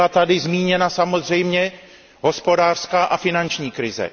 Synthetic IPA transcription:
at̪adɪzmiːɲɛnasamo̞zr̝ɛjmɲɛ | ɦo̞spo̞daːr̥skaːʔafɪnant͡ʃɲiːkɾɪzɛ̰

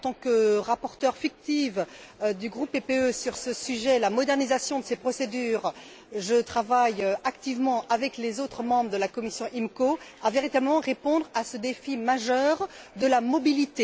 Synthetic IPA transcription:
ɑ̃t̪ɑ̃kəʁapɔʁt̪œʁfik̚t̪ifd̪yɡʁupːepeøsyʁsəsyʒɛlamɔd̪ɛʁnizasjɔ̃d̪əsepχɔsed̪yːʁ | ʒət̪χavajakt̪ivmɑ̃ʔavɛklezot̪χəmɑ̃bʁəd̪əlakɔmisjɔ̃ʔimkoaveʁit̪abləmɑ̃ʁepɔ̃d̪ʁasəd̪efimaʒœʁd̪əlamɔbilit̪e

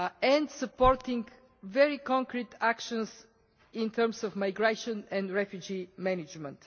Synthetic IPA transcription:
ɛ̃nd̪səpɔɾt̪ɪ̃ŋɡ | vɛɹikɔ̃ŋkɾit̪ʰakʃə̃ns | ĩnt̪ʰəɾmsɔfmaɪɡɾeʃə̃nɛ̃nd̪ɾɛfjud͡ʒimɛnɪd͡ʒmə̃nt̪

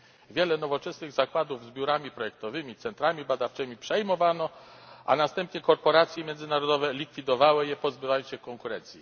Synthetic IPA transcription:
vʲjɛlɛnɔvɔt͡ʂɛsnɘɣzakwad̪uvzbʲjuɾamʲipɾɔjɛk̚t̪ɔvɘmʲit̪sɛnt̪ɾamʲibad̪aft͡ʂɘmʲipʂɛjmɔvanɔʔa̰nast̪ɛmpɲɛkɔɾpɔɾat̪sʲjɛmʲjɛnd̪zɘnaɾɔd̪ɔvɛlʲikfʲid̪ɔvawɘjɛpɔzbɘvajɔnɕɛkɔŋkuɾɛnt̪sʲji

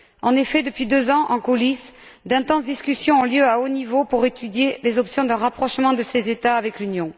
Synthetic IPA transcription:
ɑ̰̃nefɛd̪əpɥid̪øzɑ̃ʔɑ̃kulis | d̪ɛ̃t̪ɑ̃sd̪iskʲysjɔ̃ɔ̃ljøaonivopuʁet̪yd̪jelezɔpsjɔ̃d̪ɛ̃ʁapχɔʃmɑ̃d̪əsezet̪aːvɛklynjɔ̃

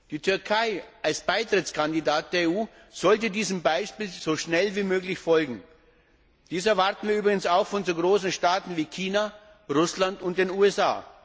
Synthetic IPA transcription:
d̥iːtʰʏɐkʰaɪʔalsb̥aɪtʁ̥ɪt͡skʰandidaːt̚d̥eːɐeːuː | z̥ɔltədiːzəmbaɪʃpiːlz̥oːʃnɛlviːmøːklɪçfɔlɡŋ̩ | d̥iːsɛɐvaɐtn̩viːɐybʁɪɡən̩saʊxfɔnzoːɡʁoːsn̩ʃtaːtn̩viːkʰiːna | ʁʊslantʊnt̚d̥eːnuːɛsʔa̰ː

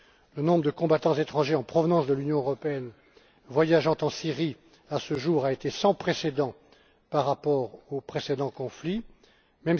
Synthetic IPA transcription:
lənɔ̃bʁəd̪əkɔ̃bat̪ɑ̃zet̪χɑ̃ʒeɑ̃pχɔvnɑ̃sd̪əlynjɔ̃øʁɔpeɛn | vwajaʒɑ̃t̪ɑ̃siʁi | asəʒuʁaet̪esɑ̃pχesed̪ɑ̃ | paʁːapɔʁopχesed̪ɑ̃kɔ̃fli | mɛm

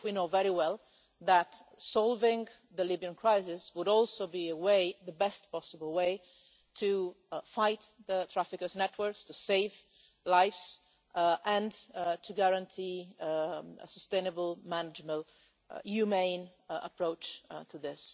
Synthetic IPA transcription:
winoʊvɛɹiwɛlˠ | ðətsɑlˠvɪ̃ŋ | ðəlibiɨ̃nkʰɹ̥aɪsɪswəɾɔlˠsoʊbiəweɪðəbɛstpʰɔsəbl̩ˠweɪ | tʰu | faɪt̪ðətʰɹ̥æfɨkə˞znɛtʰwə˞kstɨseɪv | laɪfs | ʔɨ̃ntʰɨɡæɹə̃ntʰi | ə̰səstẽɪ̃nəbəl̩ˠmænɪd͡ʒmə̃n | hʉmẽɪ̃n | ə̰pʰɹ̥oʊt͡ʃtʰɨðɪs

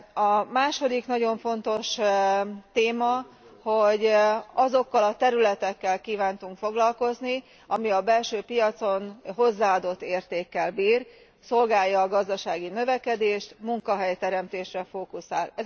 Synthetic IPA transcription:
ɒmaːʃo̞d̪iknɒɟo̞ɱfo̞nt̪o̞ʃ | t̪eːmɒ | ho̞ɟɒzo̞kːɒlɒt̪ɛɾylɛt̪ɛkːɛlkiːvaːnt̪uŋkfo̞ɡlɒlko̞zni | ɒmiɒbɛlʃøːpijɒt̪so̞nɦo̞zːaːɒd̪o̞t̪ːeːrt̪eːkːɛlbiːr | so̞lɡaːjːɒːɡɒzd̪ɒʃaːɡinø̞vɛkɛd̪eːʃt̪muŋkɒɦɛjt̪ɛɾɛmt̪eːʃrɛfoːkusaːlɛ

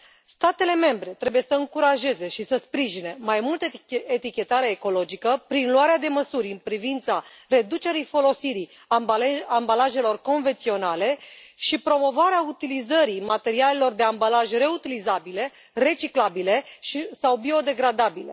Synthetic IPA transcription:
st̪at̪e̞le̞me̞mbɾe̞t̪ɾe̞buje̞səɨŋkuɾaʒe̞ze̞ʃisəspɾiʒine̞majmult̪əet̪ikʲe̞t̪aɾeːko̞lo̞d͡ʒikəpɾinluaɾead̪e̞məsuɾʲɨnpɾivint̪sare̞d̪ut͡ʃe̞ɾijfo̞lo̞siɾi | ambalaʒe̞lo̞rko̞nve̞nt̪sio̞nale̞ʃipɾo̞mo̞vaɾeaut̪ilizəɾimat̪e̞ɾiale̞lo̞rd̪e̞ambalaʒre̞ut̪ilizabile̞ | re̞t͡ʃiklabile̞ʃisawbio̞d̪e̞ɡɾad̪abile̞̰

